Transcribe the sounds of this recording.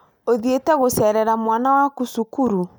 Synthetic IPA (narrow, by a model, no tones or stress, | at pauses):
oðietɛɣosɛɾɛɾamwanawakusukuɾu